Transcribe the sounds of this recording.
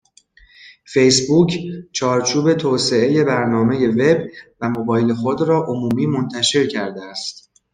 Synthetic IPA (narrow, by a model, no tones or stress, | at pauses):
fe̞jsbuːcʰt͡ʃʰɒːɾt͡ʃʰuːbe̞t̪ʰɔːse̞e̞je̞bæɾnɒːme̞je̞ve̞bvæmo̞bɒːjele̞xod̪ɾɒːʔomuːmiːmo̞nt̪ʰæʃe̞ɾcʰæɾd̪eæst̪